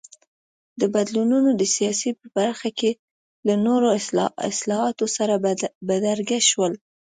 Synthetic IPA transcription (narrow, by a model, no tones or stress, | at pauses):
d̪əbad̪lununod̪əsijɑsipəb̥aɾxake | lanoɾoɪ̰slɑhɑt̪osaɾabad̪aɾɡaʃwəl